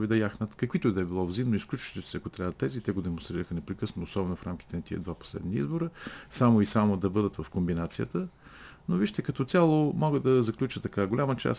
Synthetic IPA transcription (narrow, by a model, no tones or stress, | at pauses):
vid̪ɐjaxnət̪kɐkvit̪ʊd̪ɛbilˠɔvzimnoisklʲut͡ʃt̪it̪sɛɐkot̪ɾʲavət̪ːɛzit̪ɛɡod̪ɛmõnst̪ɾiɾəxənɛpɾɛkɤsnoːsɔbɛnʊfɾamki̥t̪ɛnɐt̪iə̰d̪vapo̥slɛ̰d̪niḭzboɾəsamoisamod̪ɐbɤd̪ət̪vɐfkombinat̪sijə̰t̪ənoviʃt̪ɛkɐt̪ɔt̪sʲalˠomɔɡəd̪ɐzɐklʲut͡ʃət̪ɐkaɡolʲamət͡ʃa̰s